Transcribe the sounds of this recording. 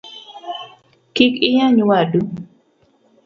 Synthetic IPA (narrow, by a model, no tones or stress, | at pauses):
kikɪjaɲuwadu